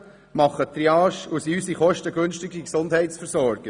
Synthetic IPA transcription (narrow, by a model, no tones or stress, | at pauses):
mɑχːət̪ɾiɑːʃusysiχɔʃtəɡɵnʃtɪɡiksʊndhɛɪtsfəɾsɔɾɡ̥ə